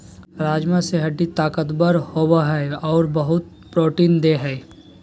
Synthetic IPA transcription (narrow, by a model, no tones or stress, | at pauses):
ɾaːd͡ʒmãseɦɐɖit̪aːkət̪bəɾhoːbaɦɛɔːɾbəɦʊt̪̚ | pɾoːʈiːnd̪eɦɛː